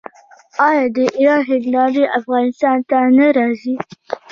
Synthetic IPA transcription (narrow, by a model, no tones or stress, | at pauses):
ɑjɑd̪əʔɪɾɑɦellɑɾeʔafɣɑnɪst̪ɑnt̪anaɾɑzi